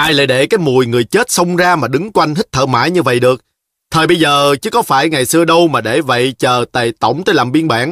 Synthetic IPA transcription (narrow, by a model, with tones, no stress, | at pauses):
ʔaː˧jla̰ː˧˨jɗe˧˩kaː˨˦jmu˨˩əjŋɨ˨˩əjt͡ɕe˦˥t̚sə˧wŋ͡mzaː˧maː˨˩ɗɨ˨˦ŋkwa˧jŋ̟hï˦˥k̟̚t̪ʰə̰ː˧˩ma̰ː˧˥˩jɲɨ˧və̰˧˨jɗɨ˨˩ək̚ | t̪ʰəː˨˩jɓə˧jzəː˨˩t͡ɕɨ˨˦kɔ˨˦faː˧˩jŋa˨˩jsɨ˧əɗə˧wmaː˨˩ɗe˧˩və̰˧˨jt͡ɕəː˨˩t̪ə̰˧˨˩t̪ə̰˧˩wŋ͡mt̪əː˧jlaː˨˩mɓi˧ənɓa̰ː˧˩n